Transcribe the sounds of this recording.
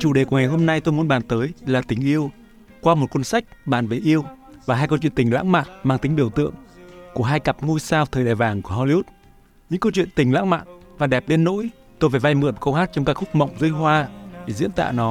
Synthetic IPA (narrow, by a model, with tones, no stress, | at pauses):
t͡ɕu˨˧˩ɗe˨˩ku˧˩əŋa˨˩jɦo˧mna˧jt̪o˧jmu˨˦nɓaː˨˩nt̪əː˨˦jlaː˨˩t̪i˨˦ŋ̟ʔi˧əw | kwaː˧mo˨˩t̚kwə˧nsa˦˥jk̟̚ɓaː˨˩nve˨˩ʔi˧əw | vaː˨˩ɦaː˧jkə˧wt͡ɕwi˧˨nt̪i˨˩ŋ̟la̰ː˧˥ŋma̰ː˧˨nmaː˧ŋt̪ï˨˦ŋ̟ɓi˧˩əwt̪ɨ̰˧˨əŋku˧˩əɦaː˧jka˨˩p̚ŋu˧jsaː˧wt̪ʰəː˨˩jɗaː˨˩jvaː˨˩ŋku˧˩əhɔ˧li˧ʔu˦˥t̚ | ɲɨ̰˧˥ŋkə˧t͡ɕwḭ˧˨ənt̪ï˨˩ŋ̟la̰˧˥ŋma̰ː˧˨nvaː˨˩ɗɛ˨˩p̚ɗe˧nːo̰˧˥j | t̪o˧jve˨˩va˧jmɨ̰˨˧˩ənmkə˧whaː˦˥t̚t͡ɕɔ˧wŋ͡mkaː˦˥kxʊ˦˥k͡p̚mə̰˧˨wŋ͡mzɨ˧jɦwaː˧ɗe˧˩zḭ˧˥ənt̪a̰ː˧˨nɔ˨˦